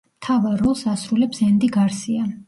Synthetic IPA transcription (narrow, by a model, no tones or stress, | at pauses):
mt̪ʰavaɾːɔlˠsasɾulɛpsɛnd̪iɡaɾsia